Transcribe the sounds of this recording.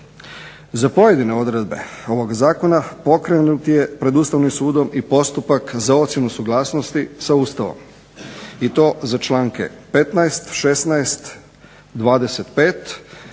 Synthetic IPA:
zapo̞je̞d̪ine̞o̞d̪ɾe̞d̪be̞̰o̞ʋo̞ɡzaːko̞napo̞kɾenut̪je̞pɾe̞d̪ust̪aʋnimsuːd̪o̞mipo̞st̪upakzao̞t̪sjenusuɡlˠaːsno̞st̪isauːst̪aʋo̰m | it̪o̞ːzat͡ʃlaːŋke̞̰pe̞t̪naest̪ʃe̞snaest̪ | d̪ʋaːd̪e̞set̪peːt̪

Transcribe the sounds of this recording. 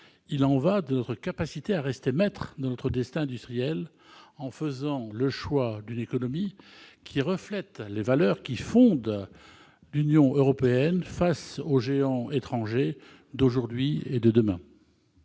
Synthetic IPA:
ilɑ̃vad̪ənɔt̪χəkapasit̪eaʁɛst̪emɛt̪χd̪ɑ̃nɔt̪χəd̪ɛst̪ɛ̃ɛ̃d̪yst̪χijɛl | ɑ̃fəzɑ̃ləʃwad̪ynekɔnɔmikʲʰiʁəflɛt̪levalœʁkʲifɔ̃d̪ | lynjɔ̃ʔøʁɔpeɛnfasoʒeɑ̃et̪χɑ̃ʒe | d̪oʒuʁd̪ɥied̪əd̪əmɛ̃

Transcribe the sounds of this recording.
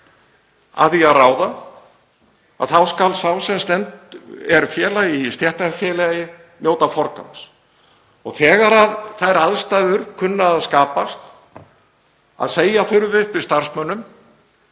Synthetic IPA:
a̰ðiaðraːwða | a̰ðθawskalsawsɛmst̪ɛnt̪ɛɾfjɛːlaist̪jɛht̪afjɛːlajɪ | mjoːwt̪afɔɾka̰ms | ɔɣθɛːɣaɾaðθajɾaðst̪ajðʏɾkʰʏnːaːðskaːpast̪ | a̰ðseːjaθʏɾvʏhpvɪst̪aɾ̥smœnːʏm

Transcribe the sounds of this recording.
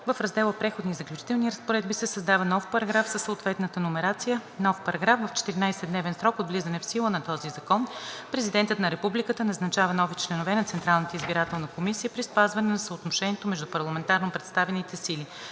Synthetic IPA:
vəfɾɐzd̪ɛlˠəpɾɛxod̪niːzəklʲut͡ʃi̥t̪ɛlˠniɾəspoɾɛd̪bisɛsɐzd̪avənɔfpɐɾɐɡɾafsəsːoot̪vɛt̪nət̪ənomɛɾat̪sijənɔfpɐɾɐɡɾafvəft͡ʃɛ̥t̪iɾinajsɛd̪nɛvɛnsɾɔkod̪vlizənɛfsilˠənɐt̪ɔzizɐkɔnpɾɛzid̪ɛnt̪ət̪nɐɾɛpublikət̪ənɐznɐt͡ʃavənɔvit͡ʃlɛnovɛnɐt̪sɛnt̪ɾalˠnət̪əizbiɾat̪ɛlˠnəkomisijəpɾispazvɐnɛnɐsəot̪noʃɛniɛt̪omɛʒd̪upɐɾlˠɐmɛnt̪aɾnopɾɛt̪st̪avɛnit̪ɛsili

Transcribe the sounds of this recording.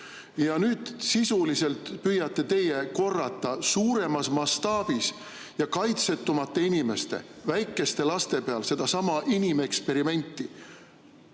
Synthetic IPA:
jɑnyːd̪̥sisulise̞lt̪pyjːɑt̪ːˑe̞t̪e̞jeko̞rːɑt̪ˑːɑsuːɾe̞mɑsmɑst̪ɑːb̥is | jɑkɑjt̪se̞t̪ːˑumɑt̪ːe̞inime̞st̪e̞̰væjkːˑe̞st̪e̞lɑst̪e̞pe̞ɑlse̞d̪̥ɑsɑmɑʔinʲimekspe̞ɾime̞nʲt̪ːˑi

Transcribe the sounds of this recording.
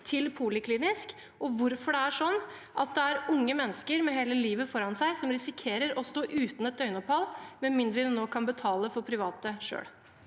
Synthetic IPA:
t̪ʰɪlpʰuːlɪkʰliːnɪsk | ɔʋʊɾfɔɖɛæʂɔnː | ʔɑt̪̚d̪ɛæɾʊŋːəmɛnːəskəɾmɛɦeːləliːʋəfɔɾɑnsæɪsɔmɾɪsɪkʰeːɾəɾɔst̪oːʔʉːt̪n̩ɛt̪̚d̪œʏnɔphɑlmɛnmɪnd̪ɾəɛnːoːkʰɑnbət̪ʰɑːləfɔɾpʰɾɪʋɑːt̪əʂø̰ːɽ

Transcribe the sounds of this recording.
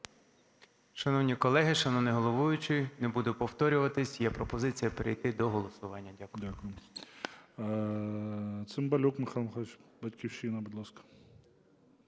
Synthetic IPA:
ʃɐnɔwnʲikɔlˠɛɦɪʃɐnɔnɛɦɔlˠɔʋujʊt͡ʃɪjnebud̪ʊpɔwt̪ɔɾʲʊʋɐt̪ɪsʲjapɾɔpɔzɪt͡sʲijɐpeɾɪjt̪ɪd̪ɔɦɔlˠɔsʊʋɑnʲːɐdʲakʊakʊjɪ | t̪sɪmbɐlʲukmɪxɑlˠmxɔt͡ʃbɐtʲkʲiwʃinɐbudlˠaskɐ̥

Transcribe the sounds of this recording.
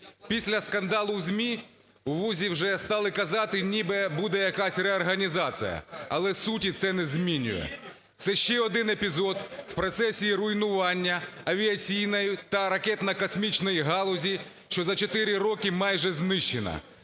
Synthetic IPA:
pʲisʲlʲɐskɐnd̪ɑlˠʊwzʲmʲi | uʋuzʲiwʒɛst̪ɑlˠɪkɐzɑt̪ɪnʲibɛbud̪ɛjɐkɑsʲrɛɔrɦɐnʲizɑt͡sʲḭjɐ̰ɐlˠɛsutʲit̪sɛnɛzmʲinʲʊ̰jɛ̰ | t̪sɛʃt͡ʃɛɔd̪ɪnepʲizɔd̪wpɾɔt̪sɛsʲiːɾʊjnʊʋɑnʲːɐɐʋʲiɐt͡sʲijnɔjʊt̪ɐɾɐkɛt̪nɐkɔsmʲit͡ʃnɔjiɦɑlˠɔzʲi | ʃt͡ʃɔzɐt͡ʃɔt̪ɪɾʲɪrɔkɪmɑjʒɛznɪʃt͡ʃːenɐ̰

